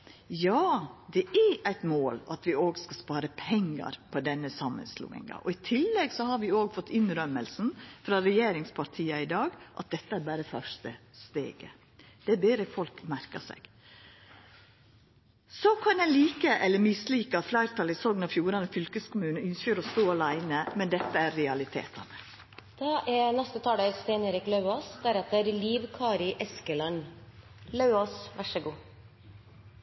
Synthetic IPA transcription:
jɑːd̪ɛʔæɾæɪt̪moːlʔɑt̪ʰʋɪoːɡskɑspɑːɾəpʰɛŋːə̰ɾpʰɔd̪ɛnːəsɑmːə̰nslṵːɪ̰ŋɑ̰ʔɔɪt̪ʰɪlːɛɡsɔhɑɾʋɪoːɡfɔt̪ːɪnɾœməlsn̩fɾɑɾɛjeːɾɪŋspʰɑɾt̪ʰiːəɪd̪ɑːɡʔɑ̰t̪̚d̪ɛt̪ːəæɾbæːɾəfœʂtə̰st̪ḛːɡə̰ | d̪̥ɛæɾbeːɾəfɔlkmæɾkəsɛ̰ɡ̥ | sɔkʰɑnæɪliːkəʔɛlːəɾmɪsliːkəɑt̪flæɪɾt̪ʰɑlɪsɔɡnɑfjuːɾɑnɔfʏlkəskʊmʉːnʏnsçəɾɔst̪oːɑlæɪnəmɛnd̪ɛt̪ːəæɾɾɛɑlɪt̪ʰḛːt̪ɑ̰nə | d̪̥ɑːʔɛnɛst̪ət̪ʰɑːleɾseɪneɾɪklɑʉoːsd̪æɾɛt̪əɾliːʋkʰɑːɾɪʔɛskəlɑn | lɑʉoːsʋæʂəɡuː

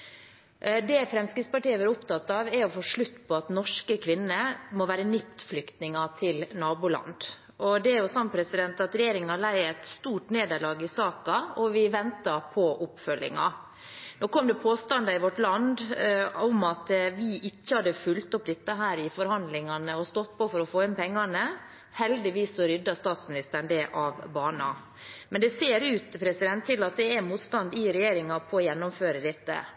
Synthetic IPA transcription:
d̪ɛfɾɛmskɾɪt̪spɑʈiːəʋɑɾʊpt̪ɑt̪ːɑʋɛɾɔfoːʂɭʉt̪ːpʰɔɑt̪nɔʂkəkʰʋɪnːəmɔʋæːɾənɪpt̪flʏkt̪nɪŋɑt̪ʰɪlnɑːbʊlɑ̰nd̪ | ʔɔd̪ɛæɾjʊsɑmpʰɾɛsɪd̪ɛnt̪ɑt̪ɾɛjeːɾɪŋəɑlæɪɛt̪st̪uːʈneːd̪əɭɑːɡɪsɑːkɑɔʋɪʋɛnt̪ɑpʰɔʔʊpːfœlːɪ̰ŋɑ̰ | noːkʰɔmd̪ɛpʰoːst̪ɑnd̪ɑɪʋɔʈlɑnd̪ɔmɑt̪ʋɪʔɪcːəhɑd̪ːəfʉlt̪ʊpːd̪ɛt̪ːəɦæːɾɪfɔɾhɑnd̪lɪŋɑnəɔst̪ɔt̪ːpʰɔfɔɾɔfoːɪnpɛŋːɑnə | hɛld̪ɪʋiːsɔɾʏd̪ːɑst̪ɑːt̪smɪnɪst̪əɾɳd̪ɛʔɑʋbɑːnɑ̰ | mɛnd̪ɛseːɾʉːt̪pʰɾɛsɪd̪ɛnt̪ʰːɪlːɑt̪̚d̪ɛæmuːt̪st̪ɑnd̪ɪɾɛjeːɾɪŋɑpʰɔːjɛnːʊmføːɾəd̪ɪt̪ːə̰

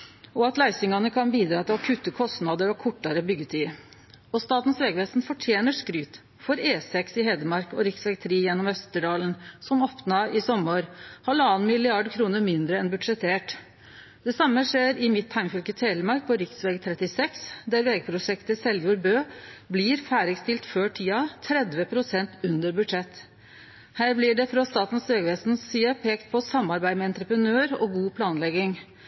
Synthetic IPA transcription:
ɔɑt̪læɪsɪŋɑnəkʰɑnbiːd̪ɾɑːt̪ɪlɔkʰʉt̪ːəkʰɔst̪nɑːd̪əɾɔkʰʊʈːɑɾəbʏɡːət̪ʰiːɾ | ɔst̪ɑːt̪n̩sʋeːɡʋeːsnfɔʈʰjeːnəʂkɾyːt̪ | fɔɾeːsɛksɪɦɛːd̪əmɑɾkɔɾɪksʋɛɡ̚t̪ʰɾiːjɛnːɔmœst̪əɖɑːlənsɔmɔpnɑɪsɔmːoːɾhɑlɑːnmɪlɪɑɖkʰɾuːnəɾmɪnd̪ɾəɛnbʉd̪ʂɛt̪ʰeːʈ | d̪̥ɛsɑmːəʂeːɾɪmɪt̪ʰːɑɪŋfʏlkət̪ʰeːləmɑɾk̚pʰɔɾɪksʋeːɡt̪ʰɾɛt̪ɪsɛksd̪æɾʋeːɡəpʰɾʊʂɛkt̪əsɛljʊːɾbøːblɪɾfæːɾɪɡst̪ɪlt̪føːʈʰiːɑt̪ʰɾɛd̪ʋəpʰɾʊsɛnt̪ʉnd̪əɾbʉd̪ʂɛt̪ː | hæːɾblɪɖɛfɾɑst̪ɑːt̪n̩søːɡʋɛsn̩siːəpʰeːkt̪̚pʰɔsɑmːɑɾbæɪmɛɛnt̪ɾəpɾənøːɾɔ̰ɡuːpʰlɑːnlɛɡɪŋ

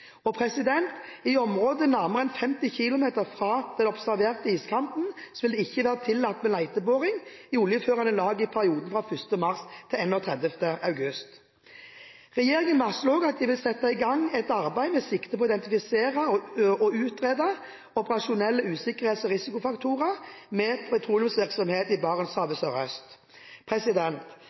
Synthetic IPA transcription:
ɔpʰʁɛsɪd̪ɛnt̪ɪɔmʁoːd̪ənæʁməʁɛnfɛmt̪ɪçɪlʊmeːt̪əʁfʁɑːd̪̥ɛnɔbsæʁʋeːʁt̪əiːskʰɑmpn̩sɔʋɪld̪ɛɪçːəʋæːʁət̪ʰɪlːɑt̪ːmɛlæɪt̪əboːʁɪŋjuːljəføːʁɑnəlɑːɡɪpʰæʁɪuːd̪n̩fʁɑːfʏst̪əmɑʁst̪ʰɪlɛnːɔːt̪ʰʁɛd̪əft̪əʔɑʉɡʉst̪ | ʁɛjeːʁɪŋənmɑsloːɡɑt̪̚d̪ɪʋɪlsɛt̪ːɑɪɡɑŋːɛt̪ɑʁbæɪmɛsɪkt̪əpʰɔɪd̪ɛnt̪ɪfɪseːʁəʔɔʉːt̪ʁeːd̪ɑ | ɔpəʁɑʃʊnɛlːəʉːsɪkəʁheːt̪sɔʁɪsɪkʊfɑkt̪ʰuːʁəʁmɛːpʰɛt̪ʰʁuːlʊʉmsʋɪʁksɔmheːt̪ɪbɑːʁənsɑːʋəsœʁœst̪ | pʰʁɛsɪd̪ɛnt̪

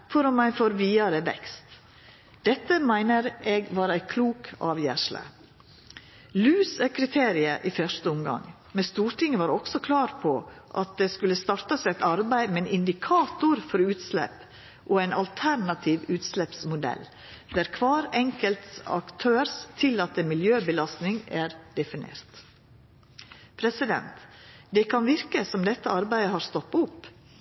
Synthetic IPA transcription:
fɔɾɔmmæɪfoːɾʋiːɑɾəʋɛ̰kst̪ | d̪̥ɛt̪ːəmæɪnəɾeːɡʋɑːɾæɪkʰluːkɑ̰ːʋjæ̰ʂlə̰ | lʉːsækʰɾɪt̪ʰeːɾɪəʔiːfœʂt̪əʊmɡɑ̰ŋ | mɛst̪uːɾʈɪŋːəʋɑːɾɔksɔkʰlɑːɾpʰɔʔɑ̰t̪̚d̪eːskʉləst̪ɑɾt̪ɑsæt̪ɑɾbæɪmɛnʔɪnd̪ɪkʰɑːt̪ʊɾfɔɾʉːt̪slɛ̰p | ʔɔæɪnɑlt̪ʰæɾɳɑt̪ʰiːʋʉːt̪slɛpsmʊd̪ɛ̰lː | d̪æɾkʰʋɑːɾɛŋkəlt̪sɑ̰kt̪ʰøːɾst̪ʰɪlɑt̪ːəmɪljøːbəlɑst̪nɪŋæɾd̪̥ɛfɪnḛːɾt̪ | pʰɾɛsɪd̪ɛ̰nt̪d̪ɛkʰɑnʋɪɾkəsɔmd̪ɛt̪ːəɑɾbæɪd̪əɦɑɾst̪ɔpːʊpː

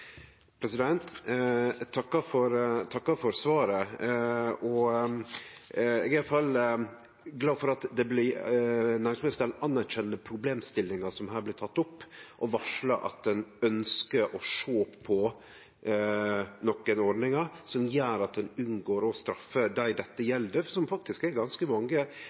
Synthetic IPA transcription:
pʰɾɛsɪd̪ɛnt̪ | t̪ʰɑkːɑfɔɾt̪ʰɑkːɑfɔɾsʋɑːɾə | ɔ | ɛ̰ɡæjɑlfɑl | ɡlɑːfɔɾɑt̪d̪ɛblɪ | næːɾɪŋsmɪsd̪ɛlɑnːæɾɕɛnːəpʰɾʊbleːmst̪ɪlːɪŋɑsɔmɦæːɾblɪt̪ʰɑt̪ːɔpːʔɔʋɑʂlə̰ʔɑ̰t̪̚d̪ɛnœnskəɾʔɔʂoːppʰːɔ | nɔkːənɔɖnɪŋɑsɔmjæːɾɑt̪̚d̪ɛnʉnɡoːɾɔst̪ɾɑfːəd̪æɪd̪ɛt̪ːəjɛld̪əsɔmfɑk̚t̪ɪskæɾɡɑnskəmɑŋːə

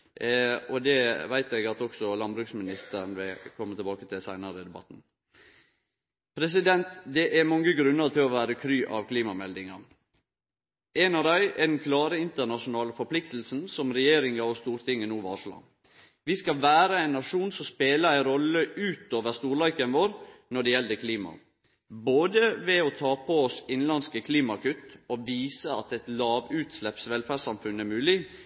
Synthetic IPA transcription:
ɔd̪ɛʋæɪt̪ɛɡɑt̪ɔksɔlɑnbɾʉksmɪnɪst̪əɾnʋɪkʰɔmːət̪ʰəbɑːkət̪ʰɪlsæɪnəɾəd̪ɛbɑ̰t̪ːn̩ | pʰɾɛs̬ɪd̪ɛnt̪d̪ɛʔæɾmɑŋːəɡɾʉnːəɾt̪ʰɪlɔʋæːɾəkʰɾyːʔɑʋkʰliːmɑmɛld̪ɪŋɑ | ɛnɑʋd̪æɪɛd̪ɛnkʰlɑːɾəɪnt̪əɾnɑʂʊnɑːləfɔɾpʰlɪkt̪l̩sn̩sɔmɾɛjeːɾɪŋɑɔst̪uːɾt̪ʰɪŋːənuːʋɑːʂlɑ̰ | ʋɪskɑʋæːɾəæɪnːɑʂuːnsɔmspeːləɾæɪɾɔlːəʔʉːt̪oːʋəɾst̪uːɾɭɑɪkənʋoːɾnɔɖɛjɛld̪əkʰliːmɑ̰ | boːd̪əʋɛɔt̪ʰɑːpʰɔɔsɪnlɑnskəkʰliːmɑkʉt̪ːɔʋiːsəɑt̪ɛt̪lɑːʋʉːt̪slɛpsʋɛlfæːsɑmfʉnæɾmʉːlɪ

